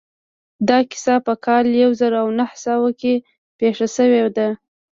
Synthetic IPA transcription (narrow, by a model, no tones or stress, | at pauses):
d̪ɑkɪ̥sɑpəkʰɑljawzaɾoawnahsɑwake | peʂasəwed̪a